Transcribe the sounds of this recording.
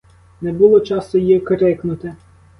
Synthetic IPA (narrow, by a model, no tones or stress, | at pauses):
nɛbʊlˠɔt͡ʃɑst̪ɔjikɾɪknʊt̪ɪ